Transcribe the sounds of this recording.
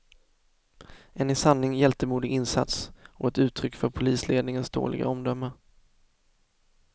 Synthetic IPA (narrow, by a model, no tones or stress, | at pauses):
ʔɛnɪsanːɪŋjɛlt̪əmuːd̪ɪɡɪnsa̰t̪sɔɛt̪ʉ̟ːt̪ʰːɾʏkːfœɾpʰʊliːsleːd̪nɪŋənsd̪o̰ːɭɪ̰ɡa̰ɔmd̪œmːə